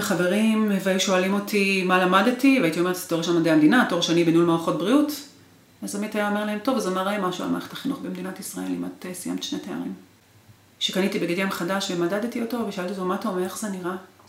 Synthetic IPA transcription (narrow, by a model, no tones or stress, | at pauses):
eχave̞ʁimveajuʃo̞alimo̞tʰimalamadetivajit̪iome̞tz̥e̥toeʃamad̪ehamd̪inatoʁʃanibenulmoʁaχo̞t̚bʁiut | azamitiajaome̞ʁlahemt̪o̞vazamaʁajamaʃua̰lma̰χe̥t̪ḁχinuχbemd̪inatisʁaʔe̞̰lḭma̰tesija̰mtʃnetea̰ʁim | ʃekanitibeɡedjamχadaʃvemadadetioto̞veʃoalt̪iotomatomeχz̥eniʁa